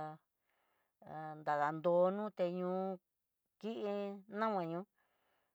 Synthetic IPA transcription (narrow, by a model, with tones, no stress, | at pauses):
nd̪a˨ða˨nd̪o˧nũː˦t̪e˧ɲũː˧˦ | ki˦ʔi˧nã˦wʷã˧ɲũ˧˦